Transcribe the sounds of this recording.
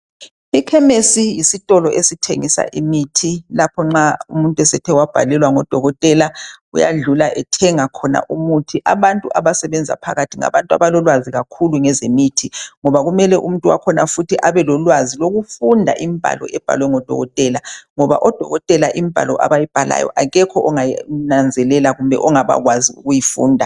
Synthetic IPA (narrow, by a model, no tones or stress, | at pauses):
ikʰɛmesijisitʼɔlɔʔesitʰeŋisa̰ʔimitʰilapʰɔŋ͡ǁaumuntʼwɛsɛtʰɛwab̥ʱalɛlwaŋɔd̥ʱɔɣɔtʼɛlaṵja̰ɮulaʔɛtʰɛŋakʰɔna̰ʔumutʰiʔaβantʼuʔaβasɛβɛnd͡zʱa̰pʰaɣatʰiŋa̰βantʼua̰βalɔlwaziɣakʰuluŋɛzemitʰiŋɔβaɣumɛlɛʔum̩untʼuwa̰kʰɔnafutʰiʔaβɛlɔlwaziloɣufundʱa̰ʔimb̥ʱa̰lɔ̰ʔɛb̥ʱa̰lwɛŋɔd̥ʱɔ̰ɣɔtʼɛlaŋɔβa̰ʔɔd̥ʱɔ̰ɣɔtʼɛlaʔimipa̰lɔʔa̰βajib̥ʱala̰jɔ̰ʔaɣɛkʰɔʔɔŋanand͡zʱɛlɛlaɣumbʱɛ̰ʔɔŋaβa̰ɣwaziṵɣujifṵːndʱa